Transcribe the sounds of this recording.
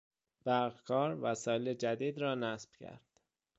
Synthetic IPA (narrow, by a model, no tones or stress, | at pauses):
b̥æɾɣkʰɒːɾvæsɒːjeled͡ʒæd̪iːd̪ɾɒːnæsb̥cʰæ̰ɾd̪̥